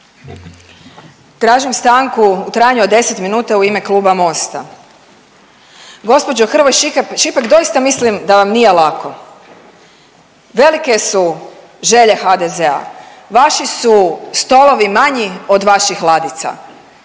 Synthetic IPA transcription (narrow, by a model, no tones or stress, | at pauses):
t̪ɾaːʒimst̪aŋkuːt̪ɾaːjaɲuod̪e̞set̪minuːt̪auime̞klˠuːbamo̞st̪a | ɡo̞spo̞d͡ʑoxr̩ʋojʃikpʃipakd̪o̞jist̪amislimd̪aʋamnijelakʰo̞ | ʋe̞like̞su | ʒe̞ʎexad̪ezea̰ | ʋaʃisust̪o̞lˠo̞ʋimaɲio̞d̪ʋaʃixlˠad̪it̪sa̰